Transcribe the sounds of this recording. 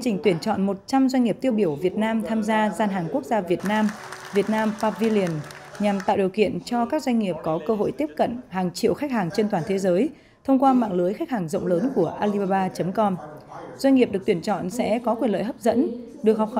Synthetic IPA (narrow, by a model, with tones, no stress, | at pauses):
ŋt͡ɕï˨˩ŋ̟t̪wi˧˩ənt͡ɕɔ̰˧˨nmo˨˩t̚t͡ɕa˧mzwa˧ɲ̟ŋi˨˩əp̚t̪i˧əwɓi˧˩əwvi˨˩ət̚naː˧mt̪ʰaː˧mzaː˧zaː˧nɦaː˨˩ŋku˦˥ək̚zaː˧vi˨˩ət̚naː˧mvi˨˩ət̚naː˧mfaː˧˥vi˧li˨˩ən | ɲa˨˩mt̪a̰ː˧˨ɗi˨˩əwkḭ˧˨ənt͡ɕɔ˧kaː˦˥k̚zwa˧ŋ̟ŋi˨˩əp̚kɔ˨˦kəː˧ɦo̰˧˨jt̪i˦˥əp̚kə̰˧˨nhaː˨˩ŋt͡ɕḭ˧˨wxa˦˥k̚haː˨˩ŋt͡ɕe˧nt̪waː˨˩nt̪ʰe˨˦zəː˨˦j | t̪ʰə˧wŋ͡mkwaː˧ma̰ː˧˨ŋlɨ˨˦jxa˦˥k̚haː˨˩ŋzə̰˧˨wŋ͡mləː˨˦nku˧˩əʔaː˧li˧ɓaː˧ɓaː˧t͡ɕə˨˦mkɔ˧mzwa˧ɲ̟ŋi˨˩p̚ɗɨ˨˩əkt̪wi˧˩ənt͡ɕɔ̰˧˨nsɛ̰˧˥kɔ˨˦kwi˨˩ənlə̰ː˧˨jɦəː˦˥p̚zə̰˧˥n | ɗɨ˨˩əkɦhk͡p̚x